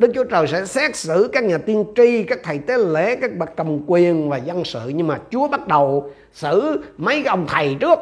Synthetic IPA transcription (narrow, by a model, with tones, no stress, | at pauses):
ɗɨ˦˥k̚t͡ɕu˨˦ət͡ɕəː˨˩jsɛ̰˧˥sɛː˦˥t̚sɨ̰˧˩˨kaː˦˥k̚ɲaː˨˩t̪i˧ənt͡ɕi˧kaː˦˥k̚t̪ʰə˨˩jt̪e˨˦lḛ˧˩˨kaː˦˥k̚ɓa˨˧˩t̚kːə˨˩wŋ͡mkwi˨˩ənvaː˨˩zə˧nsɨ̰˧˨ɲɨ˧ŋmaː˨˩t͡ɕu˨˦əɓa˦˥t̚ɗə˨˩w | sɨ̰˧˨mə˨˦jʔə˧wŋ͡mt̪ʰə˨˩jt͡ɕɨ˦˥ək̚